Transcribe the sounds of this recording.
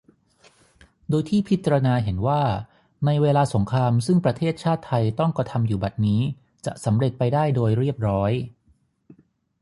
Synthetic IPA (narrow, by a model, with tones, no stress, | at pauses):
doː˧jt̪ʰiː˥˩pʰi˦˥t̪̚t͡ɕa˧ɾa˧naː˧ɦe˩˦nwaː˥˩ | na˧jweː˧laː˧so˩˦ŋkʰɾaː˧msɯ˥˩ŋpɾa˧t̪ʰeː˥˩t̪̚t͡ɕʰaː˥˩t̪ʰːa˧jt̪ɔ˥˩ŋkɾa˧t̪ʰa˧mjuː˨˩ba˨˩t̪̚niː˦˥ | t͡ɕa̰˨˩ʔsa˩˦mɾe˨˩t̪̚pa˧jdaː˥˩jdoː˧jɾi˥˩əp̚ɾɔː˦˥j